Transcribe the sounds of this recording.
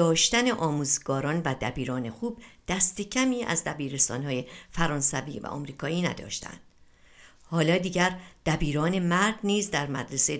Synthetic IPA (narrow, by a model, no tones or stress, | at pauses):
ɒːʃt̪æneʔɒːmuːzɡɒːɾɒːnvæd̪æbiːɾɒːne̞xuːb̚d̪̥æst̪e̞cʰæmiːʔæ̰zd̪æbiːɾe̞st̪ɒ̰ːnhɒːje̞fæɾɒːnsæviːvæ̰ʔɒ̰ːmɾiːkʰɒːiːnæ̰d̪ɒ̰ːʃt̪ʰæ̰nd̪̥ | hɒːlɒːd̪iːɟæɾd̪̥æbiːɾɒːne̞mæɾd̪niːzd̪æɾmæ̰d̪ɾese